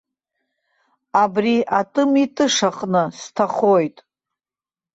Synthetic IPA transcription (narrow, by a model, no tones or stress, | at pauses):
abriʔatʼɨmitʼɨʂaqʼnɨstʰaχojtʼ